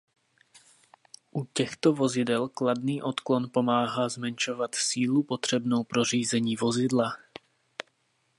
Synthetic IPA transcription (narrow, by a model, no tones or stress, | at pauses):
ʔucɛxt̪ovo̞zɪdɛlklad̪niːʔot̪klonpo̞maːɦazmɛnʃovat̪siːlupot̪r̝̥ɛbnowpɾoriːzɛɲiːvozɪdla